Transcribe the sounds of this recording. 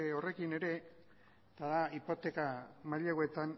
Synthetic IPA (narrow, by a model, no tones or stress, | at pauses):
o̞re̞kine̞ɾe̞ | t̪aðaipo̞t̪e̞kamaʎaɣoet̪an